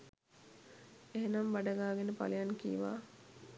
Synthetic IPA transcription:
eɦenamʋaɖəɡaːɡenəpa̰lijankḭːʋa̰ː

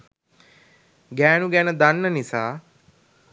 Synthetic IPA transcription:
ɡɛːnuɡɛːnəd̪ɐnːənisaː

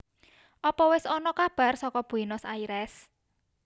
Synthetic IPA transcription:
ʔɔpɔwɪsɔnɔkab̥a̤rsɔkɔb̥ṳinɔsaiɾɛs

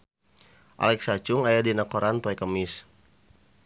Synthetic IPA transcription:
ʔa̰lɛksat͡ʃʊŋajadinakoɾanpaɛkəmɪs

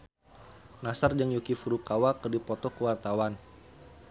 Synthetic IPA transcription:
nasard͡ʒəŋjukifuɾukawakərdipɔt̪ɔkəwart̪awan

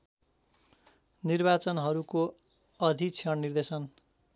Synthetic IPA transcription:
nirbat͡sʌnɦʌɾuko | ʌd̪ʱit͡sʰʌɳnird̪esʌn

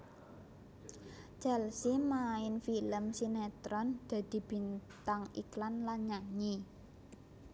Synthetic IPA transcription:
t͡ʃɛlsimaɪnfiləmsinet̪ɾɔnd̪̥ä̤d̪̥i̤b̥i̤nt̪aŋḭklanlaɲaɲi

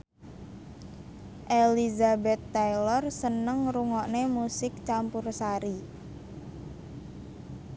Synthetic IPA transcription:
ʔelizabɛt̪ːajlɔrsənəŋɾuŋɔʔnemusɪk̚t͡ʃampʊrsaɾi

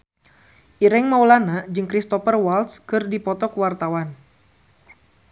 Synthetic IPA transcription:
ʔiɾɛŋmawlanad͡ʒɨŋkɾist̪ɔfərwalt̪skɨrdipɔt̪ɔkwart̪awan

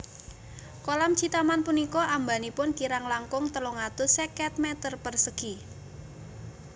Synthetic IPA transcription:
kolamt͡ʃit̪amanpunikɔʔambanipʊnkiɾaŋlaŋkʊŋt̪əloŋat̪usɛkɛt̪̚mɛt̪ərpərsəɡ̥i

